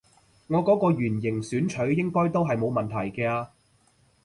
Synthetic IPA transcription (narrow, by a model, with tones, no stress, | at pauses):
ŋɔː˨˧kɔː˨˥kɔː˧ɥyː˨˩njɪ˨˩ŋsyː˨˥nt͡ʃʰɵ˨˥ɥjɪ˥ŋkɔː˥jt̪o˥wɦɐ˨jmo˨˧wmɐ˨nt̪ʰɐ˨˩jkɛː˧aː˧